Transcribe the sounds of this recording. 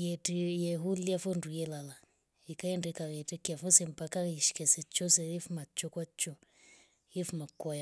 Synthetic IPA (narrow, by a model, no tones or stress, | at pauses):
jɛtijɛɦuliafɔndujɛlala | ikaɛndɛkaɣɛtɛkafɔsɛmpakaɣɛʃi̥kɛsɛt͡ʃɔsɛifumat͡ʃɔkwat͡ʃɔ | jefumakwaja